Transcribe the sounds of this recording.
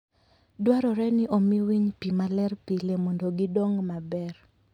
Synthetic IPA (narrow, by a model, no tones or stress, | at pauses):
dwaɾɔɾɛnɪʔomiwiɲpimalɛrpilemondoɡidoŋmabɛr